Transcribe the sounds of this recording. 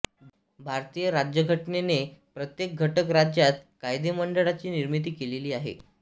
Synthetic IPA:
bʱaɾt̪ijəɾad͡ʑjəɡʱəʈnenepɾət̪jek̚ɡʱəʈəkɾad͡ʑjat̪̚kajd̪eməɳɖəɽat͡ɕiːniɾmit̪̬iːkeleliːaɦḛ

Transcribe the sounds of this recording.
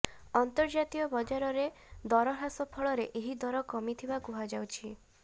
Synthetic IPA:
ɔnt̪ɔɾd͡ʒat̪iɔbɔd͡ʒaɾɔɾe | d̪ɔɾɔɦasɔpʰɔɭɔɾeʔeɦid̪ɔɾɔkɔmit̪ʰibakuɦad͡ʒawt͡ʃʰi

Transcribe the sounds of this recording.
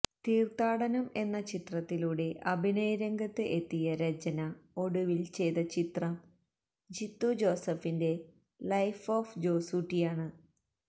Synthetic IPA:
t̪iːrt̪aːɽɐnɐme̞nːɐt͡ɕit̪rɐt̪ːiluːɽe̞ʔɐbʱinɐjɾɐŋɡɐt̪ːɨʔet̪ːijɐɾɐd͡ʑɐnɐo̞ɽuʋilt͡ɕe̞jt̪ɐt͡ɕit̪rɐm | d͡ʑit̪ːud͡ʑo̞ːsɐfinde̞ | lɐjfoːfd͡ʑo̞ːsuːʈːijaːɳɨ

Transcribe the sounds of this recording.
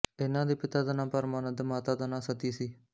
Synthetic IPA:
ɪnãːd̪iːpɪt̪aːd̪ənãːpəɾmaːnət̪ːmaːt̪aːd̪anãːsət̪iːsiː

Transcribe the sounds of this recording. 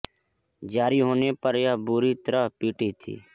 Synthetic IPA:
d͡ʒaːɾiːɦoːneːpəɾjabuːɾiːt̪əɾəɦpiːʈiːt̪ʰḭː

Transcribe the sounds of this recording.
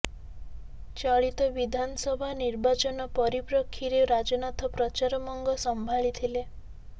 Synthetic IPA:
t͡ʃaɭit̪ɔbid̪ʱanɔsɔbʱaniɾbat͡ʃɔnɔpɔɾipɾɔkʰːiɾeɾad͡ʒɔnat̪ʰɔpɾɔt͡ʃaɾɔmɔŋɡɔsɔmbʱaɭit̪ʰile

